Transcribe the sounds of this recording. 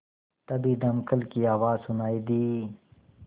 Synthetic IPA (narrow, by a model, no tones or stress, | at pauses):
t̪ɐbid̪ɐmkəlkiaːwaːzsʊnaːid̪iː